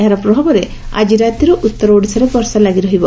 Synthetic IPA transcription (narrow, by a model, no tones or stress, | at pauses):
eɦaɾɔpɾɔbʱabɔɾe | a̰d͡ʒiɾat̪iɾɔʔut̪ːɔɾɔoɽisɔɾebɔɾsalaɡiɾɔɦibɔ